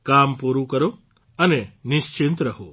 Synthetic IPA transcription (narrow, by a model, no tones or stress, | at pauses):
kampuɾukəɾo | ənenɪʃt͡ʃint̪ɾəɦo